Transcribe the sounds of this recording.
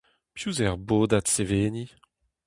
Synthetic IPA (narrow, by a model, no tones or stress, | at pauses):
pjuzɛʁboːd̪atseveːni